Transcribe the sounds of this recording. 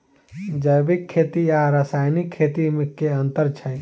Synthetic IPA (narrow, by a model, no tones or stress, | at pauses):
d͡ʒəjbɪkʰːeːt̪ijaɾəsaːjnɪkʰːeːt̪imɪkːeɐ̃nt̪əɾt͡ʃʰɐj